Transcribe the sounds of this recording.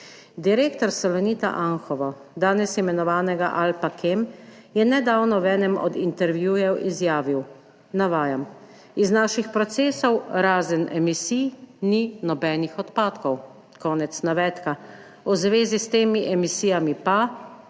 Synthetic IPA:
d̪iɾeːkt̪ɔɾsɔlɔnit̪a̰ʔaŋxɔʋa | d̪aːnɛsimɛnɔʋaːnɛɡa̰ʔalpakʰemjɛnɛd̪aːwnɔʋɛːnɛmɔ̰d̪int̪ɛɾʋjujɛwizjaːʋiw | naʋaːjam | iznaːʃixpɾɔt̪seːsɔwɾaːzənɛmisijninɔbɛːnixɔt̪paːt̪kɔw | kɔːnɛt̪snaʋɛːt̪ka | uzʋeːzist̪eːmiʔɛmisiːjamipa

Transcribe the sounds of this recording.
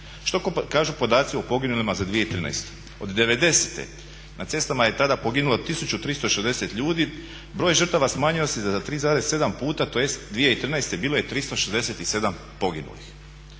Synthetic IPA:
ʃt̪o̞kokaːʒupo̞d̪aːt̪siopo̞ɡinulimazad̪ʋije̞it̪ɾiːna̰jst̪e̥ | o̞d̪d̪e̞ʋe̞d̪e̞set̪ḛ | nat̪se̞st̪amaje̞t̪ad̪apo̞ɡinulot̪isut͡ɕut̪ɾist̪o̞ʃezd̪e̞se̞t̪ʎuːd̪i | bɾo̞ːjʒər̩t̪aʋasmaːɲio̞sizaat̪ɾiːzaːɾe̞zse̞d̪ampuːt̪at̪oje̞st̪d̪ʋijeit̪ɾiːnajst̪ebiːloje̞t̪ɾist̪o̞ʃezd̪e̞set̪ise̞d̪am | po̞ɡinṵlḭx

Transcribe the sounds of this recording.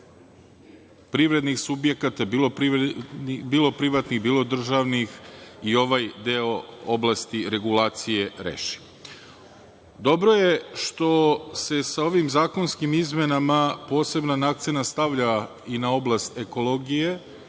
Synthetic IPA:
pɾiʋɾe̞d̪nixsubje̞kat̪abiːlˠo̞pɾi | biːlˠo̞pɾiʋat̪niɣbiːlˠo̞d̪r̩ʒaʋnixio̞ʋajd̪eooblˠast̪iɾe̞ɡulaːt̪sije̞ɾḛːʃi̥ | d̪o̞bɾoje̞ʃt̪o̞se̞sao̞ʋimzaːko̞nskimizmenamapo̞ːse̞bnanakt̪senast̪aʋʎa | inao̞blˠast̪e̞ko̞lˠo̞ɡije̞

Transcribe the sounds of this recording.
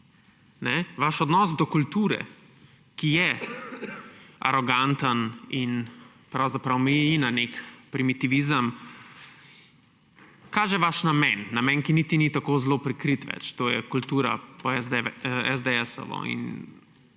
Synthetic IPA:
nɛʋaʃɔd̪nɔsd̪ɔkult̪uːɾɛ̰ | kijɛ | a̰ɾɔɡant̪ənin | pɾawzapɾawmiinanekpɾimit̪iʋizəm | kaːʒɛʋaʃnamɛnːamɛnkinit̪init̪akoːzloːpɾikɾit̪ʋɛ̰t͡ʃt̪oːjɛ̰kult̪uːɾa̰pɔɛɛzd̪eɛsɔ̰ʋɔ̰ḭn

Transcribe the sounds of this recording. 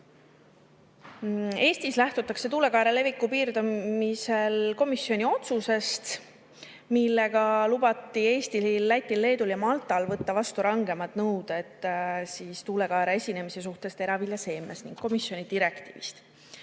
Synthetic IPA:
e̞ːst̪islæht̪ut̪ːˑɑkse̞t̪uːle̞kɑeɾele̞vikːˑupiːrd̪ɑmise̞lko̞misjo̞nʲio̞t̪suse̞st̪ | milːe̞ɡɑlubɑt̪ːˑie̞ːst̪iilːæt̪ʲːˑilːe̞ːd̪uljɑmɑlt̪ˑɑlvɤt̪ːɑvɑst̪uɾɑŋɡ̥e̞mɑt̪nɤwd̪̥e̞t̪ˑːsiːst̪uːle̞kɑeɾee̞sʲine̞mise̞s̬uht̪e̞st̪e̞ɾɑviljɑse̞ːmesniŋɡ̥ko̞misjo̞nʲid̪̥iɾe̞kt̪iːvḭst̪

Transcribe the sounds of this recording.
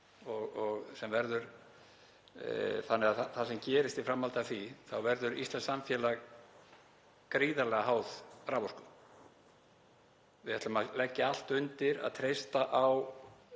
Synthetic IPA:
ɔɣɔɣsɛmvɛɾðʏɾ̥ | θanːɛɣaθaθasɛmcɛːɾɪst̪ifɾamːalt̪aθiθawvɛɾðʏɾḭst̪lɛnsamfjɛːla | kɾiːðalɛɣaɦaːwð̥ɾaːvɔskʏ | vɪðɛht̪malɛcːɪal̥t̪ʏnt̪ɪɾa̰ðt̪ʰɾejst̪aʔaw

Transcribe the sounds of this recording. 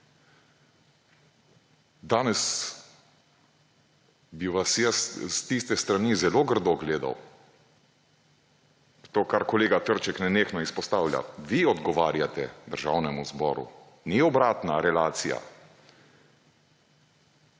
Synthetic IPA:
d̪aːnɛs | biʋasjɛsst̪ist̪ɛst̪ɾanizɛloɡəɾd̪oɡleːd̪a̰w | t̪oːkaɾkɔleːɡat̪əɾt͡ʃɛknɛneːxnɔispɔst̪aːwlʲja̰ʋiɔd̪ɡɔʋaːɾjat̪ɛd̪əɾʒawnɛmuzbɔːɾṵ | niɔbɾaːt̪naɾɛlaːt̪sija̰

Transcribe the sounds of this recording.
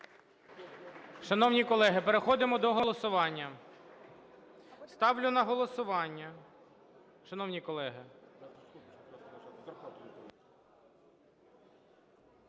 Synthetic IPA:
ʃɐnɔwnʲikɔlˠɛɦɪpeɾexɔd̪ɪmɔd̪ɔɦɔlˠɔsʊʋɑnʲːɐ | st̪ɑwlʲʊnɐɦɔlˠɔsʊʋɑnʲːɐ | ʃɐnɔwnʲikɔlˠɛɦɪ

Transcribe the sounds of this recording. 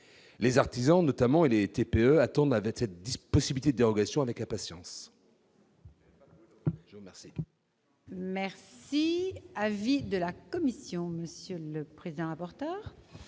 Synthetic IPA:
lezaʁt̪izɑ̃nɔt̪amɑ̃elet̪epeøat̪ɑ̃d̪avɛksɛt̪̚d̪ispɔsibilit̪ed̪əd̪eʁɔɡasjɔ̃avɛklãpasjɑ̃s | ʒəuʁmɛʁsi | mɛʁsiavid̪əlakɔmisjɔ̃məsjøləpχezid̪ɑ̃ʁapɔʁt̪œːʁ

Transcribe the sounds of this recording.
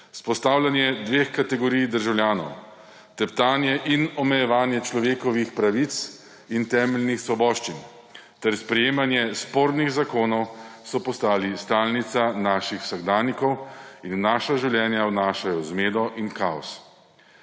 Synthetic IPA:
spɔst̪aːwlʲjanjɛd̪ʋeːxkat̪ɛɡɔɾijd̪əɾʒawlʲjaːnɔ̰w | t̪ɛpt̪aːnjɛʔinɔmɛjɛʋaːnjɛt͡ʃlɔʋeːkɔʋixpɾaʋit̪s | int̪ɛːmɛlnixsʋɔbɔːʃt͡ʃin | t̪ɛɾspɾɛjeːmanjɛspoːɾniɣzakoːnɔwsɔpɔst̪aːlist̪aːlnit̪sanaːʃixw̥saɡd̪aːnikɔwinːaːʃaʒiwljɛːnjawnaːʃajɔzmeːd̪ɔʔinkaɔ̰s

